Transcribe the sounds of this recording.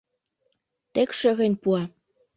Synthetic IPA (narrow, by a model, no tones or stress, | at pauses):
t̪ekʃø̆ɣenʲpuɑ